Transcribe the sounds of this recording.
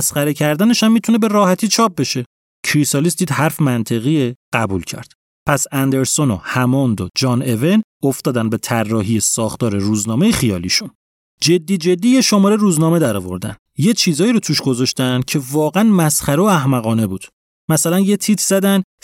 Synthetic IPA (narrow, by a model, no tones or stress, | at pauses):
sχæɾe̞cʰæɾd̪æne̞ʃæmːit̪ʰune̞be̞ɾɒːhæt̪ʰiːt͡ʃʰɒːp̚be̞ʃe̞ | cʰɾisɒlisd̪iːd̪hæɾfmænt̪ʰe̞ɣieɢæbṵlcʰæ̰ɾd̪̥ | pʰæsænd̪e̞ɾso̞nohæmɒnd̪od͡ʒɒːne̞venoft̪ɒːd̪ænbe̞t̪ʰærːɒːɦijesɒːxt̪ʰɒːɾe̞ɾuːznɒːme̞jexijɒ̰ːliʃun | d͡ʒe̞d̪ːiːd͡ʒe̞d̪ːiːjeʃo̞mɒːɾeɾuːznɒːme̞d̪æɾɒ̰ːvo̞̰ɾd̪æ̰n | je̞t͡ʃʰiːzɒːiːɾot̪ʰuːʃɡo̞zɒʃt̪ænd̪̥cʰe̞vɒːɣænmæsχæɾeoæhmæɣɒːne̞buːd̪̥ | mæsælænjet̪ʰiːt̪ʰz̥æd̪æn